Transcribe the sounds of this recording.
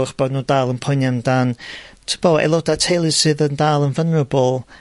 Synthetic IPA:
χb̥ɔdnuːdaːlˠənpʰɔnjandantʰəb̥ɔɛ̰lˠɔdatʰejlˠɨsɨðəndaːlˠənvənrəbɔlˠ

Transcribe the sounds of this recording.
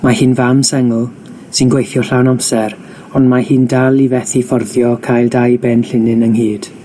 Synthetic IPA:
mahɨːnvamsɛŋʊlˠ | sɨnɡwejθjɔɬawnamsɛɾ | ɔndmahiːndalˠivɛθifɔrðjɔkʰajlˠdajbɛnɬɪnɪnəŋhiːd̥

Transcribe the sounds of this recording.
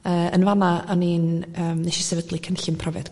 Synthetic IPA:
əːənvanaaninəːmnɛʃɛsɛvədlˠikʰənɬɪmpʰrɔvɛd̥

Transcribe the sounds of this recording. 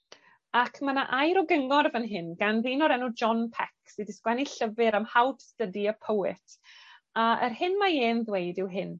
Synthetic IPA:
akʰmanaʔajɾɔɡəŋɔrvənɦɪnɡanrˠinɔɾɛnud͡ʒɔnpʰɛksidɪskwɛniɬəvɨɾamhawdstədiəpʰəwɪtʰaə̰rhɪnmaeːnðwejdɪwɦɪn

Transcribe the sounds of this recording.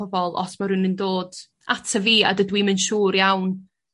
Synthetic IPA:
ɔbɔlˠɔ̰smaɾunəndoːd̥ | atʰəviːa̰dədwimənʃuːrjawn

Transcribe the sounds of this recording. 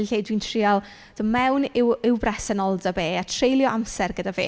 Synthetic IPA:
lɬejdwintʰriɔlˠ | d̥ɔmɛwnɪwɪwbrɛsənɔlˠdabeːatʰrejlˠjɔʔamsɛrɡədaveː

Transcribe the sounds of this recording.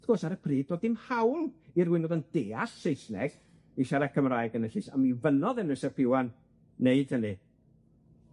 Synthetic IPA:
θɡoːsaɾəpʰriːd̚doːdɪmhawlˠirwɪnɔðənd̥eːasːejsnɛ̰ɡ̥ | iʃaɾakʰəmraːjɡənəɬɨsa̰mivənɔðənɨsapʰɪwanː | eɨd̥hənɨ

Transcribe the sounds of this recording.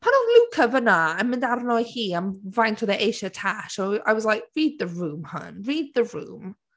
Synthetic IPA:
pʰanɔlukʰəvənaənmɪ̃ndarnɔjhiːanvajntʰɔðɛʔejʃətʰaʃoa̰jwɔzlajk̚ɹiːd̪̚ðəɹuːmhɔ̰nɹiːd̚ðəɹṵːm

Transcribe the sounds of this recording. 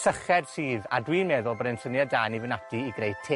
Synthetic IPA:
səχɛd̥siːðadwiːnmɛðʊlˠbəɾɛnsənjadaːnivɪnadiːɡrejd̥̚tʰe

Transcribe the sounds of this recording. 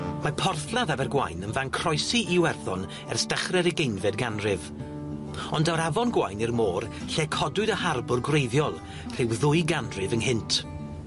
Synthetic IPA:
mapʰɔrθlˠaðavɛrɡwa̰jnənvaŋkʰrɔjsiiwɛrθɔn | ɛ̰rstəχrɛɾiɡejnvɛdɡanrɪv | ɔndawɾavɔnɡwajnirmoːr | ɬɛkʰɔdʊɨðəharbʊrɡwrejðjɔlˠ | r̥ɪwðʊɨɡanrɪvənhɪntʰ

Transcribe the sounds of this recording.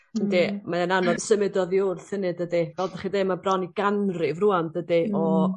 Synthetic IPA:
ndemaananɔðsəmɪdɔðiʊrθənɨdədivɛlˠdaχidejmabrɔniɡanrɨvruandədiɔ

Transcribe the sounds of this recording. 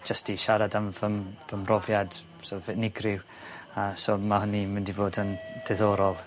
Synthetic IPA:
d͡ʒəstiʃaɾadamvəmvəmrɔvjad̥ | sovɛnɪɡrɪw | asomahənimɪndivoːdənd̥ɛðoːɾɔlˠ

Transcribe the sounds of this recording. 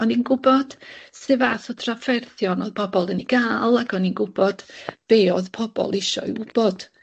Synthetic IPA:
ɔninɡʊbɔd̥sɪvaθɔtʰrafɛrθjɔnɔðpʰɔbɔlˠəniɡ̥aːlˠaɡɔninɡʊb̥ɔd̥b̥eːɔðpʰɔb̥ɔ̰lˠɪʃɔ̰ɨ̰ʊb̥ɔd̥

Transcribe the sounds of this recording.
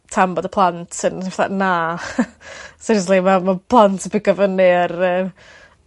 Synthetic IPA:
tʰambɔdəpʰlˠantʰənsiflˠa̰ʔna | sɪɾslˠimamapʰlˠantʰbɪɡəvənɪrəː

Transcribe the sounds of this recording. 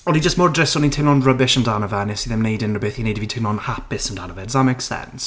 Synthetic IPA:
ɔlˠid͡ʒəsmɔːɹdɹɪsɔnĩtʰɪ̃nɔnɹəbɪʃə̃ndanəvɛnɪsiðɛ̃mniːdɪ̃nɹəbɪθjiniːd̚ʰəbitʰɪ̃nɔnhapɪsə̃ndanəvɛdzðameɪksɛ̰ns

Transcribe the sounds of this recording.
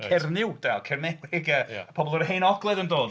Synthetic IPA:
kʰɛrnɪwd̥alkʰɛrnɛwɪɡə̰pʰɔbɔlˠəɾhejnɔɡlˠɛðəndoːd

